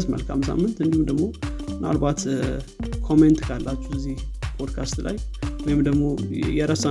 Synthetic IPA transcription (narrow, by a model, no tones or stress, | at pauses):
zmə̰lkʰamsa̰mːɨnt̪ɨnd̪ihumd̪əɡmo̞na̰lbat̪ | kʰo̞ment̪kʰalːat͡ʃːu̥ɨzːih | pʰod̪kʰast̪la̰jwɔjɪmd̪əɡmo̞jɛɾəsa